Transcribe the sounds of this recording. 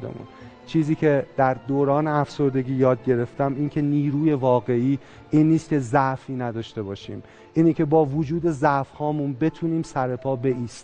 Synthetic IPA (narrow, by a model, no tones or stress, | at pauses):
d̪ḛmṵnt͡ʃʰiːziːcʰe̞d̪̥æɾd̪oːɾɒːneæfso̞ɾd̪e̞ɟiːjɒːd̪̚ɟe̞ɾe̞ft̪æmiːncʰe̞niːɾuːje̞vɒːɣe̞iː | ʔiːnːiːst̪̚cʰe̞zæʔfiːnæd̪ɒːʃt̪e̞bɒːʃḭːm | ʔiːnicʰe̞bɒːvod͡ʒuːd̪e̞zæʔfhɒːmunbe̞t̪ʰuːniːmsæɾe̞pʰɒːbe̞ʔiːst̪